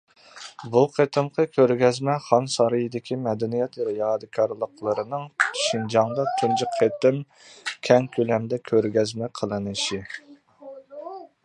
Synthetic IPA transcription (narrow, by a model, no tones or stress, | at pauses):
buqʰet̪ʰɨmqʰəkʲʰøɾɡʲɛzmɛχɑnsɑɾɨjid̪ɪkʲʰimɛd̪ɛnijɛt̪ɾɨjɑːd̪ɨkʰɑɾlˠəqlˠəɾɨnɨŋʃind͡ʒɑŋd̪ɑt̪ʰund͡ʒɨqʰːet̪ɨm | kʲʰɛŋkʲʰølɛmd̪ɛkʲʰøɾɡʲɛzmɛqʰəlˠɨnɨʃi